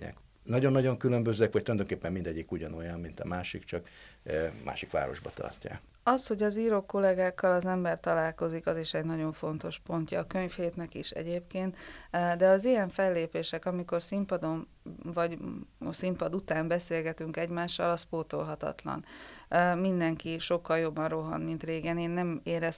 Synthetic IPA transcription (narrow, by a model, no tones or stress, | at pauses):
ɛ̰k | nɒɟonːɒɟo̞ŋkylømbøzɛkʋɒc̚t̪uljad̪oŋkeːpːɛmmind̪ɛɟːikuɟɒno̞jɒnmint̪ɒmaːʃikt͡ʃɒk | mʔa̰ːʃikʋa̰ːɾo̞̰ʒbɒt̪ɒ̰rca̰ːk | ɒsho̞ɟɒziːɾo̞kːo̞lɛɡaːkːɒlɒzɛmbɛrt̪ɒlaːlko̞zikɒziʃɛɟnɒɟo̞ɱfo̞nt̪o̞ʃpo̞nt̪jɒːkø̞ɲfheːt̪nɛkiʃɛ̰ɟeːpkeːnt̪d̪ɛɒzijɛɱfɛlːeːpeːʃɛkɒmiko̞rsimpɒd̪o̞n | vɒɟsimpɒd̪ut̪aːmbɛseːlɡɛt̪yŋkɛɟmaːʃːɒ̰lɒspoːt̪o̞̰lɦɒt̪ɒ̰t̪lɒ̰n | mind̪ɛŋkiʃo̞kːɒljo̞bːɒnro̞ɦɒ̰nmint̪reːɡɛneːnːɛmeːɾɛs